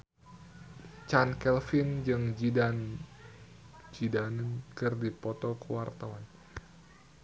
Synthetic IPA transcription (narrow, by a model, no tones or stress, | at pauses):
t͡ʃankɛlfind͡ʒɨŋd͡ʒidan | d͡ʒidannkɨrdipɔt̪ɔkəwart̪awan